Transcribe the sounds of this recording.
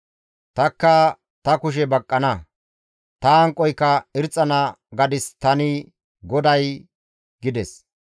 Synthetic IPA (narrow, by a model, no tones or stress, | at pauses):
t̪ɐkːɐ | t̪ɐkʊʃ̬ɛbɐkʼːɐnɐ | t̪ɐɐŋkʼːɔjkːɐɪɾt͡sʼːɐnɐ | ɡɐd̪ɪst̪ɐnɪ | ɡɔd̪ɐj | ɡɪd̪ɛs